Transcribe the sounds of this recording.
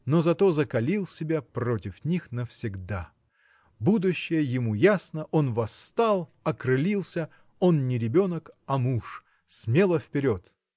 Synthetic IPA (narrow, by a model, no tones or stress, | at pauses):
no̞zɐt̪o̞zəkɐlʲilˠsʲɪbʲapro̞tʲɪfnʲixnəfsʲɪɡd̪a | bud̪ʊɕːɪjəjɪmujasnəʔo̞nvɐst̪alˠɐkɾɨlʲilˠsʲə | o̞nnʲɪɾʲɪbʲo̞nəkɐmuʂ | smʲe̞lˠəfpʲɪɾʲot̪